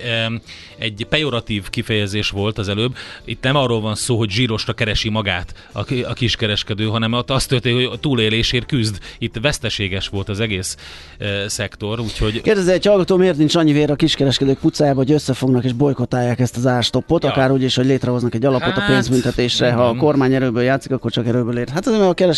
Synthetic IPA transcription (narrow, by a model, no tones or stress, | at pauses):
ɛɟːpɛjoɾɒt̪iːvkifɛjɛzeːʃʋo̞lt̪ɒzɛløːbit̪nɛmɒrːolvɒnsoːɦo̞ɟʒiːɾo̞ʃrɒkɛɾɛʃimɒɡaːt̪ | ɒ̰ɒkiʃkɛɾɛʃkɛd̪øːɦɒnɛmt̪ːɒst̪ølt̪eːnhot̪uːleːleːʃeːrkyzd̪it̪ːvɛst̪ɛʃeːɡɛʃʋo̞lt̪ɒzɛɡeːsː | ɛkt̪o̞ɾuːcho̞ɟkeːrd̪ɛzeɛchɒlɡɒt̪oːmeːrt̪int͡ʃɒɲːiveːɾɛɒːkiʃkɛɾɛʃkɛd̪øːk̚put̪saːjaːbɒɦoɟøsːɛfo̞ɡnɒkeːʒbo̞jko̞t̪aːjːaːkɛst̪ɒzaːrʃt̪o̞pːo̞t̪ɒkaːɾuːɟiːʃho̞ɟleːt̪rɛɦo̞znɒkɛɟːɒlɒpo̞t̪ɒpeːnzbynt̪ɛt̪eːʃrɛɦɒːko̞rmaːɲɛɾøːbøːljaːt̪sikɒkːo̞rt͡ʃɒkɛɾøːbøːleːrɦat̪ɒzeːmɛɡɒkɛɾɛʃ